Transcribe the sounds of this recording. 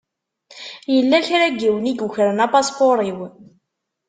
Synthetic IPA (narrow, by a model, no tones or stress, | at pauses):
jəlːæçɾæɡiwniɡuçɾənɑpɑspoɾˤiw